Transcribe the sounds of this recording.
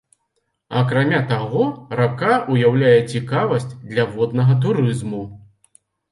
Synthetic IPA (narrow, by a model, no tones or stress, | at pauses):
ɐkɾamʲat̪aɣɔɾap̚kaʔujawlʲajɛt͡sʲikavɐsʲt͡sʲd̪lʲɐvɔd̪nɐɣɐt̪̬uɾɨzmu